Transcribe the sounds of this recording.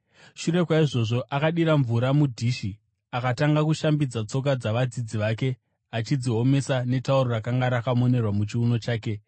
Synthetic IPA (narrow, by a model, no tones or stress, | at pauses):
ʃuɾe̞kwaiʐo̞ʐo̞ʔakaɗiɾaɱvuɾamudʱiːʃi | akataŋɡakuʃambid͡zat͡so̞k̬ad͡zaʋad͡zid͡ziʋaːke̞ | at͡ʃid͡ziɦo̞me̞sane̞tauɾorakaŋɡaɾakamo̞ne̞rwamut͡ʃiuno̞t͡ʃaːke̞